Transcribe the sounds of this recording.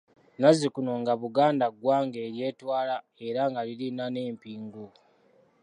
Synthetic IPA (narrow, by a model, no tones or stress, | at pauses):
nazikunoŋɡaβuɡaːndaɡwaːŋɡe̞ːɾje̞ːtwaːla | e̞ɾaŋɡalilinane̞ːmpiːŋɡu